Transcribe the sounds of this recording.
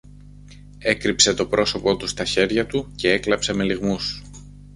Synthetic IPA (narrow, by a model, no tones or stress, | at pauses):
e̞kɾipse̞t̪o̞pɾo̞so̞po̞t̪ust̪ɐçe̞ɾʝɐt̪uce̞e̞klɐpse̞me̞liɣmus